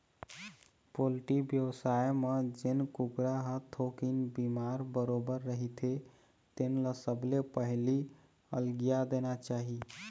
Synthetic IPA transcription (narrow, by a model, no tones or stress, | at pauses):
polʈibjəwsajmed͡ʒenkukɾaɦət̪ʰokinbimaɾbəɾobəɾːəɦit̪ʰe | t̪enlasəblepəɦli | əlɡijad̪enat͡ʃaɦi